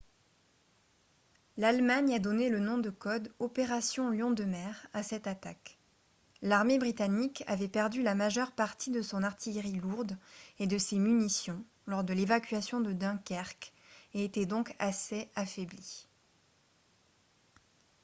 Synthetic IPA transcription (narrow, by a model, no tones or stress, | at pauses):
lalmaɲad̪ɔnelənɔ̃d̪əkɔd̪ɔpeʁasjɔ̃ljɔ̃d̪əmɛʁasɛt̪at̪ak | laʁmebʁit̪anika̰vɛpɛʁd̪ylamaʒœʁpaʁt̪id̪əsɔ̃naʁt̪ʰijʁiluʁd̪ed̪əsemynisjɔ̃ | lɔʁd̪əlevakʲɥasjɔ̃d̪əd̪ɛ̃kʲɛʁk | eːt̪ɛd̪ɔ̃kaseafɛbli